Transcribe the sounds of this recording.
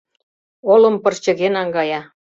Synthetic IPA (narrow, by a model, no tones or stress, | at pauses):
olɤ̆mpɤrt͡ɕə̆ɣenɑŋɡɑjɑ